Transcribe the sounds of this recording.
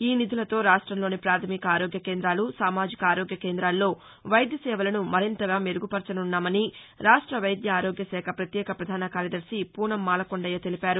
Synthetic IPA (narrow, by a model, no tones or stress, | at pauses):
iːnid̪ʱulɐt̪o̞ːɾaːʂʈɾɐmlo̞ːnipɾaːt̪ʰɐmikɐaːɾoːɡjɐke̞ːnd̪ɾaːlusaːmaːd͡ʒikɐaːɾoːɡjɐkeːnd̪ɾaːlːo̞ː | ʋɐjɐd̪jɐsɛːʋɐlɐnumɐɾint̪ɐɡaːme̞ɾuɡupɐɾt͡ʃɐnunːaːmɐni | ɾaːʂʈɾɐʋɐjɐd̪jɐaːɾoːɡjɐsɛːkʰɐpɾɐt̪jɛːkʰɐpɾɐd̪ʱaːnɐkaːɾjɐd̪ɐɾsipuːɳɐmːaːlɐkoɳɖɐjɐːt̪e̞lipaːɾu